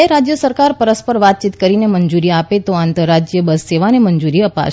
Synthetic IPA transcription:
eɾad͡ʒjəsəɾkaɾpəɾəspəɾʋat̪̚t͡ʃit̪kəɾineməɲd͡ʒuɾiapet̪oant̪əɾːad͡ʒjəbəsːeʋanemənd͡ʒuɾiəpa̰ʃ

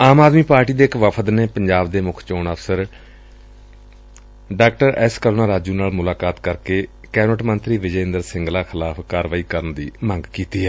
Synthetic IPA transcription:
aːmaːd̪miːpaːɾʈiːd̪eːɪkʋəpʰəd̪neːpəɲd͡ʒaːbd̪eːmʊkʰt͡ʃoːnəfsəɾ | ɖaːkʈəɾɛːskəɾoːnaːɾaːd͡ʒuːnaːlmʊlaːkaːt̪kəɾkeː | kɛːnəʈmənt̪ɾiːʋɪd͡ʒəɪ̃nd̪əɾsɪ̃ŋɡlaːkʰɪlaːpʰkaːɾʋaːiːkəɾənd̪ḭːmə̃ŋɡkiːt̪iːɦɛː

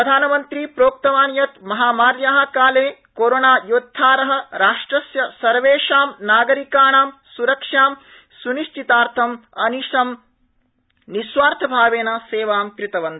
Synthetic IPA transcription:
pɾɐd̪ʱaːnɐmɐnt̪ɾipɾoːk̚t̪ɐʋaːnjɐt̪mɐɦaːmaːɾjaːɦɐ̆kaːleːkoːɾonaːjoːt̪ʰːaːɾɐɦɐ̆ɾaːʂʈɾɐsjɐsɐɾʋeːʂaːmnaːɡɐɾikaːɳaːmsuɾɐkʂaːm | suniʃt͡ʃit̪aːɾt̪ʰɐmɐniʂɐm | nisʋaːɾt̪ʰɐbʱaːʋeːnɐseːʋaːmkɾɪt̪ɐʋɐnd̪ɐ

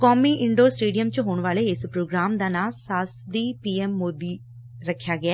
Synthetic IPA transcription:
kɔːmiːɪɳɖoːsʈeːɖijəmt͡ʃɦoːɳʋaːleːɪspɾoːɡɾaːmd̪aːnaːsaːsd̪iːpiːɛːmːoːd̪iː | ɾəkʰːjaːɡɪɛː

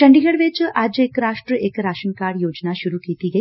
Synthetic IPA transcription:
ʈɐɳɖiɡɐɽʋeːt͡ʃʔaːd͡ʒeːkɾaːʂʈɾɐeːkɐɾaːʃɐnkaːɽjoːd͡ʒnaʃuɾukiːt̪iɡe

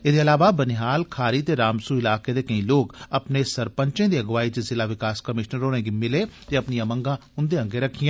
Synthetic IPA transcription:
ɪd̪eɐlaːʋabɐnɪɦaːlkʰaːɾit̪eɾaːmsuɪlaːked̪ekɐɦĩloːɡɐpnesɐɾpə̃ɲt͡ʃẽd̪iɐɡʋaːid͡ʒezɪlaʋɪkaːskɐmɪʃnəɾoːnẽɡimɪlet̪eɐpnijãmɐ̃ŋɡãʊ̃nd̪eɐ̃ŋɡeɾɐkʰijãː

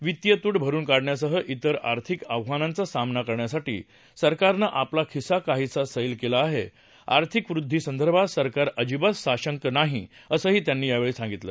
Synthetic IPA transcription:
ʋit̪jət̪uːʈbʱəɾuːnkaɽɳjasəɦəʔit̪əɾa̰ɾt̪ʰikəʋʋanãnt͡sasamnakəɾɳjasaʈḭː | səɾkaɾnəʔaplakʰisakaɦiːt͡sasəilkelaːɦe | a̰ɾt̪ʰikʋɾud̪ʱːiːsənd̪ʱəɾbʱasəɾkaɾəd͡ʑibəssaɕəŋkənaɦiəsəːɦiːt̪janːiːjaʋeɭeːsãŋɡit̪lə̰ː

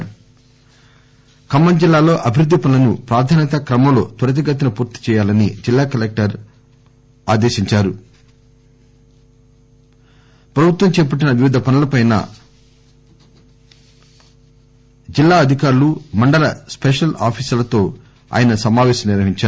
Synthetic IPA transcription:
kɐmːɐnd͡ʒilːaːlo̞ːʔɐbʱiɾud̪ʱːipɐnɐlɐnupɾaːd̪ʰʱaːnɐt̪ɐkɾɐmɐmlo̞ːt̪ɐɾɐt̪̬iɡɐt̪ːɐnɐpuːɾt̪i̥t͡ʃɛːjaːlɐnid͡ʒilːaːkɐlek̚ʈɐɾ | aːd̪eːʃiɲt͡ʃaːɾu | pɾɐbʱut̪ʋɐmt͡ʃɛːpɐʈ̬ːinɐʋiʋid̪ʱɐpɐnɐlɐpɐjnɐ̰ | d͡ʒilːaːɐd̪ʱikaːɾulumɐɳɖɐlɐspeʂɐlaːpʰiːsɐlɐt̪o̞ː | a̰ːjɐnɐsɐmaːʋɛːʃɐmniɾʋɐɦiɲt͡ʃaː

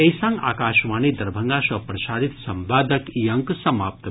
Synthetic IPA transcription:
ejsãŋɡa̰ːkaːʃʋaːnid̪ɐɾbʱɐ̃ŋɡaːʃɐpɾɐʃaːɾit̪sɐmbaːd̪ɐkijɐŋksɐmaːp̚t̪

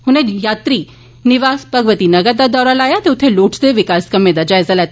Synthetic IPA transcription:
hʊnẽjaːt̪ɾi | nɪʋaːspɐɡʋət̪inɐɡəɾd̪ad̪ɔːɾalaːjat̪eʊt̪ʰeloːʈʰd̪eʋɪkaːskɐmːẽd̪ɐd͡ʒaːɪzalɛt̪

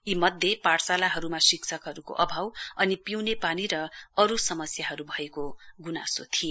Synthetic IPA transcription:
imʌd̪ʱjepaɽsalaɦʌɾumasikt͡sʰʌkɦʌɾuko̰ʔʌbʱawʌnipiwnepaniɾʌʌɾusʌmʌsjaɦʌɾubʱʌekoɡunasot̪ʰie

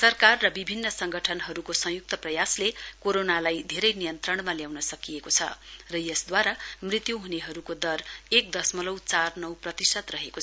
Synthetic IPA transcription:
sʌrkarːʌbibʱinːʌsʌŋɡʌʈʰʌnɦʌɾukosʌ̃juk̚t̪ʌprʌjaslekoɾonalajd̪ʱeɾʌjnijʌnt̪rʌɳmaljawnʌsʌkijekot͡sʰʌ̰rʌjʌsd̪waɾamrit̪juɦuneɦʌɾukod̪ʌrek̚d̪ʌsmʌlʌwt͡sarnʌwprʌt̪isʌt̪rʌɦeko

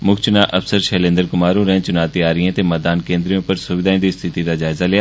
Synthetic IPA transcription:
mʊkt͡ʃʊnaʔɐfsəɾʃɛːlẽnd̪əɾkʊmaːɾũɾɛ̃t͡ʃʊnaːt̪iaːɾəiãt̪emɛːd̪aːnkẽːnd̪ɾijõpɐɾsʊʋɪd̪aːẽd̪ist̪ʰɪt̪id̪ad͡ʒaːɪzalejaː

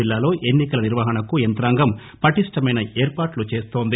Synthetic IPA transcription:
ilːaːlo̞ːʔe̞nːikɐlɐniɾʋɐɦɐɳɐkuent̪ɾaːŋɡɐm | pɐʈiʂʈɐmɐjnɐʔeːɾpaːɾʈlut͡ʃe̞ːst̪o̞ːnd̪i

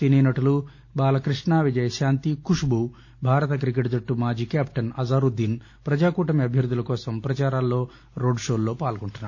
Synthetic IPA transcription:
ininɐʈulu | baːlɐkɾiʂɳaːʋid͡ʒɐjɐʃaːnt̪ikuʂbu | bʱaːɾɐt̪ɐk̬ɾik̬eʈd̪ɐʈːumaːd͡ʒiːkaːpʈɐnɐzaːɾud̪ːin | pɾɐd͡ʒaːkuːʈɐmiɐbʱjɐɾd̪ʱːulɐkɔːsɐmpɾɐt͡ʃaːɾaːlːo̞ː | ɾo̞ːɖʂo̞ːlːo̞ːpaːlɡoɳʈunːaː

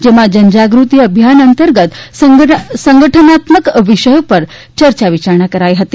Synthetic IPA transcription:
d͡ʒemãd͡ʒənd͡ʒaɡɾut̪iəbʱjanənt̪əɾɡət̪səsəŋɡəʈʰənat̪məkʋiʃəjopəɾt͡ʃəɾt͡ʃaʋit͡ʃaɾɳakəɾajɦət̪i̥

